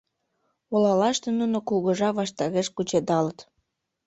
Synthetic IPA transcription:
olɑlɑʃt̪enunokuɣəʒɑβɑʃt̪ɑɣeʃkut͡ɕed̪ɑlət̪

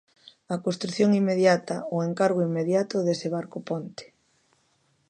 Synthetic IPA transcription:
akost̪ɾuθjoŋimːeðjat̪aoeŋkaɾɣ̞oimːeðjat̪ʊðeseβ̞aɾkopont̪e̥

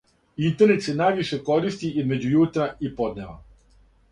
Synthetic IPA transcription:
int̪e̞ɾne̞t̪senajʋiʃe̞ko̞ɾist̪iʔizme̞d͡ʑujut̪ɾaipo̞d̪neʋa̰

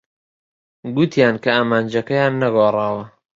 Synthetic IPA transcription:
ɡut̪ʰjaːnkʰɐaːmaːnd͡ʒɐkɐjaːnːɐɡoːrˤɑːwɐ

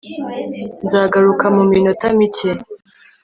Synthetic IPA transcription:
nzaːɡaɾukamumino̞tamice

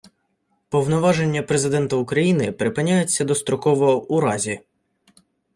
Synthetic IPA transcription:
pɔwnɔʋɑʒe̞nʲːɐpɾezɪd̪ɛnt̪ɐʊkɾɐjinɪpɾɪpɪnʲajet͡sʲːɐd̪ɔst̪ɾɔkɔʋɔɔuɾɑzʲi

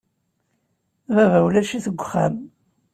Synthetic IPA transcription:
vævæwlæʃiθəɡʷːχæm

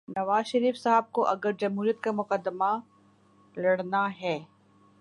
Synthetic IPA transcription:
nɐʋaːzʃɐɾiːfsaɦəb̚koʔɐɡəɾd͡ʒɐmɦuːɾijət̪kamʊqəd̪ːəma | lɐɽnaɦɛː

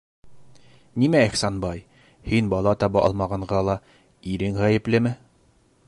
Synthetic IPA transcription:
nimæiχsɑnbɑj | hinbɑlˠɑt̪ɒbɑʔɒ̰lˠmɑʁɑɴʁɑlˠɑ | iɾɘŋʁæjɘ̆plɘmɘ

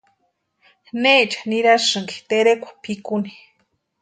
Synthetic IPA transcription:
net͡ʃḁniɾaʂɨŋki̥t̪eɾekʷḁpʰikuni̥

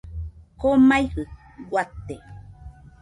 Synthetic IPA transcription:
komajhɨ | ɡwʷat̪ːe

